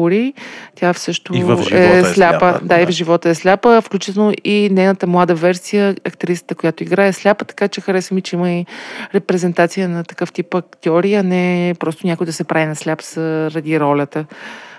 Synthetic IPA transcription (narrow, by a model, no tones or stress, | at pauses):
ʊɾit̪ʲafsɤʃt̪oɛslʲapəd̪aivʒivɔt̪əɛslʲapəfklʲut͡ʃit̪ɛlˠnoʔinɛjnət̪əmlˠad̪əvɛɾsijəːkt̪ɾisə̥t̪əkʊjat̪ʊiɡɾaɛslʲapət̪ɐ̥kat͡ʃɛxɐɾɛsvəmit͡ʃɛiməiɾɛpɾɛzɛnt̪at̪sijənɐt̪ɐ̥kɤft̪ipɐkt̪ɛɔɾiɐnɛpɾɔst̪ʊnʲakʊjd̪ɐsɛpɾavinɐslʲapz̥əɾɐd̪iɾɔlʲət̪ə